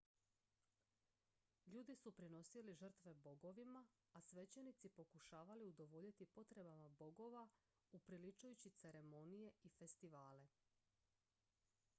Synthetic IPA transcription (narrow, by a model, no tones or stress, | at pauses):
ʎuːd̪isupɾino̞siliʒr̩t̪ʋe̞bo̞ɡo̞ʋima | asʋe̞t͡ɕenit̪sipo̞kuʃaːʋaliud̪o̞ʋo̞ʎit̪ipo̞t̪ɾe̞bamabo̞ɡo̞ʋa | upɾilit͡ʃujut͡ɕit̪seɾe̞mo̞nije̞ife̞st̪iʋaːle̞